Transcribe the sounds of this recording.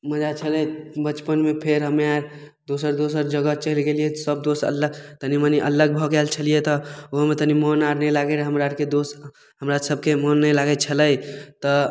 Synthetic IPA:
məd͡ʒat͡ʃʰələjbət͡ʃpənmepʰeɾɦəmeaɾ | d̪osəɾd̪osəɾd͡ʒəɡət͡ʃəɦlɡelijet̪səbd̪osə̰lət̪əniməniʔələɡ̚bʱɔkɛlt͡ʃʰəlijet̪ɔoɦmet̪ənimɔnaɾnəlaɡeɾɦəmɾaɾked̪os | ɦəmɾasəb̚ʱkemɔnːəjlaɡɛt͡ʃʰələjt̪ɔ

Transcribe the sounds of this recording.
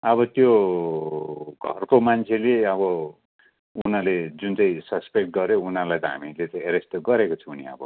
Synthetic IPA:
ʌbʌt̪jo | ɡʱʌ̰rkomant͡sʰeleʌβʌ | unaled͡zunt͡sʌĩsʌspek̚ʈ̚ɡʌɾjounalajt̪ʌɦa̰milet̪ʌeɾest̪ɡʌɾekot͡sʰuuniʌ̰bʌ̰

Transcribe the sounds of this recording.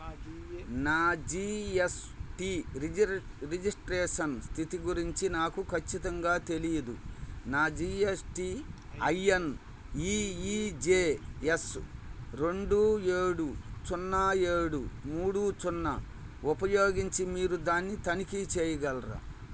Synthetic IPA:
naːd͡ʒiːes | ʈiːɾ | ɾid͡ʒisʈɾɛːʂɐnst̪ʰit̪iɡuɾiɲt͡ʃinaːkukʰɐt͡ʃːit̪ɐŋɡaːt̪e̞lijɐd̪ṵnaːd͡ʒiːesʈi | ɐjen | iːid͡ʒeːesɾe̞ɳɖueːɽut͡ʃunːɐeːɽumuːɽut͡ʃunːɐ̰ | upɐjoːɡiɲt͡ʃimiːɾud̪aːnːit̪ɐnikit͡ʃɛːjɐɡɐlɾa̰

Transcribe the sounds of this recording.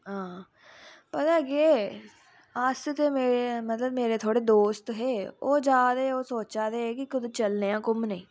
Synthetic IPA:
ɦãː | pət̪aːɡeː | əst̪eːmeːɾemət̪ləbmeːɾeːt̪ʰoːɽeːd̪oːst̪ɦeːoːd͡ʒaːd̪eːoːsoːt͡ʃaːd̪eːkɪkʊd̪ẽt͡ʃəlneːãːkʊmnəĩː

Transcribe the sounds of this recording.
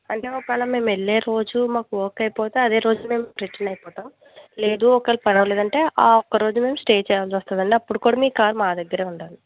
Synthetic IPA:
ɐɳʈe̞ːɔkʋɛːlɐme̞ːmeɭːeːɾo̞ːd͡ʒumaːkuoːkɐjpoːt̪eːɐd̪e̞ːɾo̞ːd͡ʒume̞ːmpɾeʈːinɐjpɔːt̪aːm | le̞ːd̪uːɔkɐlpɐnɐʋɐleːd̪ɐɳʈe̞ːʔaːɔkːɐɾo̞ːd͡ʒume̞ːmsʈeːt͡ʃɛːjaːlsɐst̪aːd̪ɐɳiɐpːuɽukuːɽaːmiːkaːɾmaːd̪ɐɡːɐɾe̞ːuɳʈaːni

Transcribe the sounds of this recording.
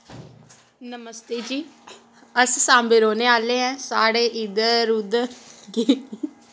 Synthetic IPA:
nəməst̪eːd͡ʒiː | əssãːmbeːɾoːneːaːleːɦɛ̃ːsaːɽeːʔid̪əɾɾud̪ɡiː

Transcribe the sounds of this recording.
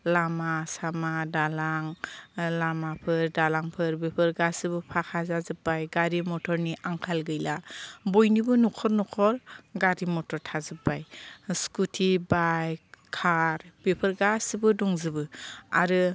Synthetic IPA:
lamasamadalaŋlamapʰɯɾdalaŋpʰɯɾbepʰɯɾɡasɯbɯpʰakʰazazɯpːajɡaɾimɔtʰɔɾniʔaŋkʰalɡɯjlabɔjnibɯnukʰɔɾnɔkʰɔɾɡaɾimɔtɔɾtʰazɯbajskutʰibajkʰaɾb̥epʰɯɾɡasɯbɯdɔŋzɯbɯa̰ɾɯ

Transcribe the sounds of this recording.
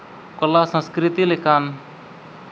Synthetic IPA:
kɔlasə̃skɾit̪ilekʰan

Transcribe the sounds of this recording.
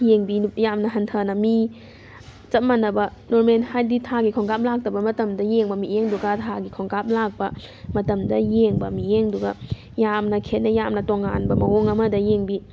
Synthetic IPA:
jeŋbijamnɐɦɐntʰɐnɐmi | t͡ʃɐt̚manɐbɐnoɾmenhajditʰaɡikʰoŋkap̚lak̚tɐbɐmɐtɐmdɐjeŋbɐmijeŋduɡatʰaɡikʰoŋkap̚lak̚bɐ | mɐtɐmdɐjeŋbɐmijeŋduɡɐ | jamnɐkʰet̚nɐjamnɐtoŋːa̰nbɐmɐoŋɐmɐdɐjeŋbi

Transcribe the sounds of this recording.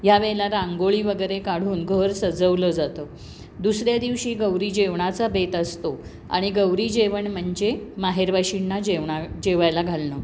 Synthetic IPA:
jaʋelaɾaŋɡoɭiːʋəɡəjɾekaɽ̤uːnɡʱəɾsəd͡zəʋləːd͡zat̪ə | d̪usɾjad̪iʋɕiːɡəwɾiːd͡ʑeʋɳat͡sabet̪əst̪o | a̰ɽ̃iɡəwɾiːd͡ʑeʋəɳm̤əɳd͡ʑemaɦeɾʋaɕiɳːad͡ʑeʋɳad͡ʑeʋajlaɡʱalnə

